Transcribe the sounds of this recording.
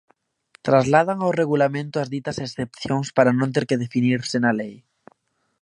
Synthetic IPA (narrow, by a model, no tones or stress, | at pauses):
t̪ɾazlað̞aŋawreɣ̞ulamẽnt̪oazðit̪asesθepθjõŋspaɾanõnt̪̬eɾkeðefiniɾsenalej